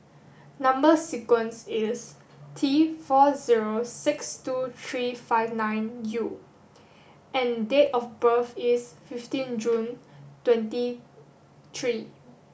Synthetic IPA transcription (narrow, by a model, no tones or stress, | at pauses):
nãmbəsikwə̃nsis | tʰifɔziɹosikstut̪ʰɹifaɪvnãjnju | ʔɛ̃ndetɔfbəfisfiftĩnd͡ʒũntwɛ̃nti | t̪ʰɹi